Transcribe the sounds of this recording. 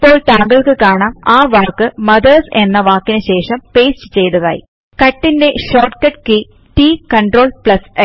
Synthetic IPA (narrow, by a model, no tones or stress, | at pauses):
ipːo̞ːɭt̪aːŋɡɐɭkɨkaːɳaːmaːʋaːrkːɨmɐðɐrsenːɐʋaːkːinɨɕe̞ːʂɐmpe̞ːst͡ɕɨ̥t͡ɕe̞jt̪ɐða̰ːjḭ | kɐʈːinde̞ɕoːrʈkɐʈ̚ki | ʈiːkɐɳɖro̞ːɭpɭɐse